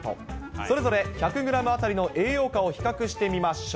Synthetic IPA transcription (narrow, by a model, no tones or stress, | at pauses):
o̰so̞ɾe̞zo̞ɾe̞çakɯ̟ɡɯ̟ɾamɯ̟at̪aɾʲino̞ʔe̞ːjo̞ːkaoçi̥kakɯ̟ɕi̥t̪e̞mʲimaɕo